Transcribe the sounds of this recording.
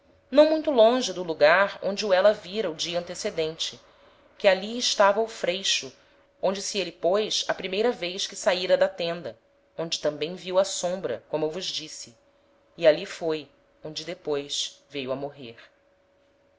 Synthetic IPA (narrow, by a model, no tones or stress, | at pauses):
nɐ̃w̃mũj̃t̪ʊlõʒɪd̪ʊluɡaɾõnd͡ʒɪuɛlɐviɾɐud͡ʒiɐ̃nt̪esed̪ẽnt͡ʃɪ | kɪaliɪʃt̪avɐʊfɾejʃʊ | õnd͡ʒɪsielɪpojsɐpɾimejɾɐvejskɪsaiɾɐd̪ɐt̪ẽnd̪ɐ | õd͡ʒɪt̪ɐ̃mbẽj̃viwɐsõmbɾɐ̰kõmʊewvʊʒd͡ʒisɪː | alifoj | õnd͡ʒɪd̪epojʃvejʊɐmoɦeɾ